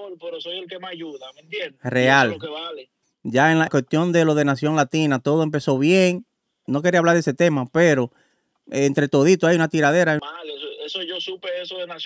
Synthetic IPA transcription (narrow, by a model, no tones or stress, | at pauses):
olpeɾosojelkemeaʝuðamẽnt̪jendreallokeβale | ʝaeŋlakwest̪jo̞nd̪e̞lo̞ðe̞nasjo̞ŋlat̪inat̪o̞ðoe̞mpe̞so̞βje̞ŋ | no̞k̬eɾiaβlaɾðese̞t̪e̞mape̞ɾo̞ | ent̪ɾe̞t̪o̞ðit̪oajunat̪iɾaðe̞ɾamalesoesoʝosupeesoðenas